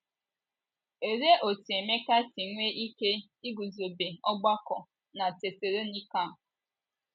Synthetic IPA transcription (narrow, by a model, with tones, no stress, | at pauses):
e˨ɾe˦ʔo˨ti˨e˨me˦ka˦ti˨ŋʷe˦ʔi˦ke˦ | i˦ɡu˨zo˨be˨ɔ˦ɡ͡ba˦kɔ˨ | na˨te˨se˨ɾe˦ni˦ka˦˨